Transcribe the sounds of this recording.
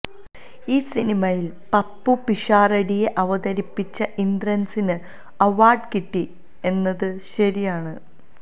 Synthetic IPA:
iːsinimɐjil | pɐpːupiʂaːrɐɽijeʔɐʋɐðɐɾipːit͡ɕːɐʔind̪rɐnsinɨ | ɐʋaːrɖkiʈːi | e̞nːɐðɨɕɐɾijaːɳɨ

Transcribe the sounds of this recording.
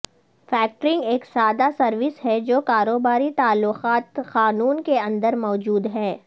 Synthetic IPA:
fɛːk̚ʈɾɪ̃ŋɡeːksaːd̪asɐɾʋɪsɦɛd͡ʒoːkaːɾoːbaːɾit̪aːlːʊqaːt̪qaːnuːnkeɐ̃nd̪əɾmɔːd͡ʒuːd̪ɦɛː

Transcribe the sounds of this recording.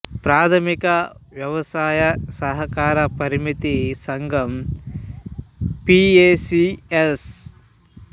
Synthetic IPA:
pɾaːt̪ʰɐmikɐʋjɐʋɐsaːjɐsɐɦɐkaːɾɐpɐɾimit̪isɐŋɡʱɐm | pieːsies

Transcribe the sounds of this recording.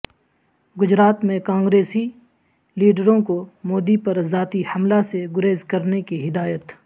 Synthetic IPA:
ɡʊd͡ʒɾaːt̪mẽkãːŋɡɾeːsi | liːɖəɾõkomoːd̪ipɐɾzaːt̪ihɐmlaseɡʊɾeːzkɐɾnekiɦɪd̪aːjət̪

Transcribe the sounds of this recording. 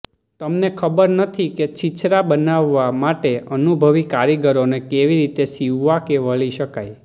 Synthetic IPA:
t̪əmnekʰəbəɾnət̪ʰiket͡ʃit͡ʃɾabənaʋːamaʈeənubʱəʋikaɾjəɡəɾonekeʋiɾit̪eʃiʋːakeʋəɭiʃəkaj

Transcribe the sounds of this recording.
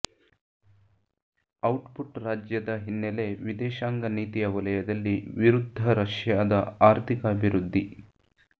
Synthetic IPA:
ɐwʈpuʈɾaːd͡ʒjɐd̪ɐɦinːɛle̞ʋid̪ɛːʃaːŋɡɐniːt̪ijɐʋɐlɐjɐd̪ɐlːiʋiɾud̪ʱːɐɾɐʂjaːd̪ɐaːɾt̪ʰikɐɐbʱiɾud̪ʱːi

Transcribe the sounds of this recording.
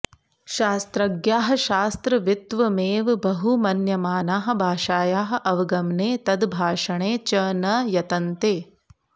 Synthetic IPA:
ʃaːst̪ɾɐɡjaːɦɐ̆ʃaːst̪ɾɐʋjut̪ʋɐmeːʋbɐɦumɐnjɐmaːnaːɦɐ̆bʱaːʃaːjaːɦɐ̆ʔɐʋɐɡɐmneːt̪ɐd̪bʱaːʂɐɳeːt͡ʃɐːnɐjɐt̪ɐnt̪eː

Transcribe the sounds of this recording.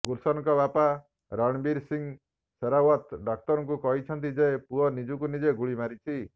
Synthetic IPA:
ɡuɾsɔnŋkɔbapa | ɾɔɽ̃biɾsiŋ | seɾawɔt̪ɖɔkt̪ɔɾɔŋkukɔɦit͡ʃʰɔnt̪id͡ʒepuɦɔnid͡ʒukunid͡ʒeɡuɭimaɾit͡ʃʰi

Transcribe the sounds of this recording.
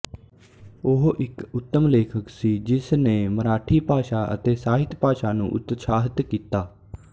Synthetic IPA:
ʊɦʔɪkʊt̪ːəmleːkʰəksiːd͡ʒɪsnẽːməɾaːʈʰiːpaːʃaːʔə̰t̪eːsaːɦɪt̪paːʃaːnṵ̃ːʔʊ̰t̪saːɦət̪kiːt̪aː

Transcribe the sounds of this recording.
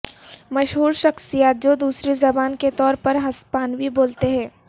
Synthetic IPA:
mɐʃɦuːɾʃɐxsijaːt̪̚d͡ʒoːd̪uːsɾezɐbaːnket̪ɔːɾpɐɾɦɐspaːnwiboːlt̪eɦɛ̃ː

